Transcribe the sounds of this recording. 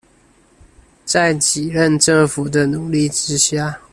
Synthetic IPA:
t͡sa˥˩ɪt͡ɕi˨˩ɻə˥˧nʈ͡ʂə˥˩ŋfu˨˩d̪ə˦nu˨˩li˥˨ʈ͡ʂɻ̩˥ɕja˥˩

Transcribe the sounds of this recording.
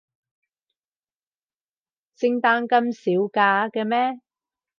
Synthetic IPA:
sɪ˧ŋt̪aː˧nkɐ˧msiː˨˥wkaː˧kɛː˧mɛː˥

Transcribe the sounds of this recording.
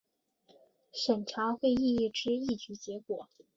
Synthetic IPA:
ʂə˨˩nʈ͡ʂʰa˧˥xwe˥˧ɪi˥˧i˥˩ʈ͡ʂɻ̩˥i˥˩t͡ɕy˧˥t͡ɕjɛ˧˥kwɔ˨˩˦

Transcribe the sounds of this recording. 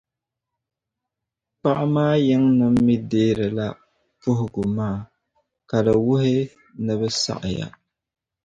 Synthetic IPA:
pa˦ʔa˦maː˦jɛ˦ŋnɨ˦m̩ː˦i˦deː˦ɾɨ˨la˦ | pʊ˦ɦʊ˨ɡʊ˨maː˦˨ | ka˨dɨ˨wʊ˦hɪ˦ | nɨ˦βɨ˦sa̰˦ʔja̰˨

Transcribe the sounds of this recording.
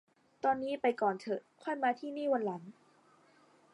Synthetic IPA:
t̪ɔː˧nːiː˦˥pa˧jkɔː˨˩nt̪ʰɤ˨˩kʰɔ˥˩jmaː˧t̪ʰiː˥˩niː˥˩wa˧nla˩˦n

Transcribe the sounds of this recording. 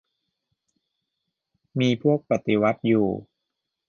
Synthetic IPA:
miː˧pʰu˥˩ək̚pa˨t̪i˧˦wa˦˥t̪̚juː˨˩

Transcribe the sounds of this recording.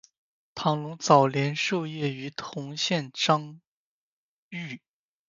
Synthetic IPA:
t̪ʰɑ˧˥ŋlʊ˧˥ŋt͡sɑ˨˩ʊljɛ˧˥nʂo˥˧ʊjɛ˥˩y˧˥t̪ʰʊ˧˥ŋɕjɛ˥˩nʈ͡ʂɑ˥ŋ | y˥˩

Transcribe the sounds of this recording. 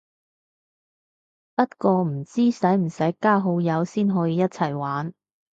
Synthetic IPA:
pɐ˥t̚kɔː˧m̩˨˩t͡siː˥sɐ˨˥jm̩˨˩sɐ˨˥jkaː˥ɦo˨˥wjɐ˨˧wsiː˥nɦɔː˨˧˥jiː˧jɐ˥t̚t͡sʰɐ˨˩jwaː˨˥n

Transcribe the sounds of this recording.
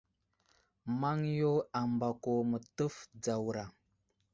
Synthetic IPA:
ma˦ŋjo˦a˨mba˨ko˨mə˨tə˦fd͡za˨wɾa˨

